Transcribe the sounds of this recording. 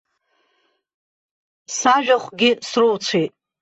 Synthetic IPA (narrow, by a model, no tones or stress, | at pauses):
saʒᶣaχʷɡʲɪsruwt͡sʷʰitʼ